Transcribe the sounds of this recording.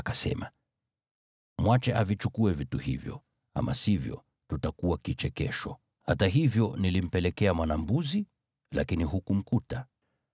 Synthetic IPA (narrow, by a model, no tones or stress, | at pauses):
kasɛ̰ma | mwat͡ʃɛʔavit͡ʃukuɛvituhḭvjɔ̰ | a̰masivjɔ̰ | tutakuwakit͡ʃɛkɛʃɔ | hataɦivjɔnilim̩pɛlɛkɛamwanambuzi | lʔakiniɦukum̩kuta